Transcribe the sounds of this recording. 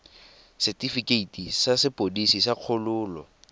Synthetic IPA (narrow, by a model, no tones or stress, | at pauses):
sɛtʼifikeitisasɪpodisisaq͡χʰʊlʊːlɔ